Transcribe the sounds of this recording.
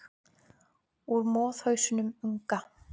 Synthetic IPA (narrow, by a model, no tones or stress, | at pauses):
uɾmɔːð̥hœɥsʏnʏmuŋka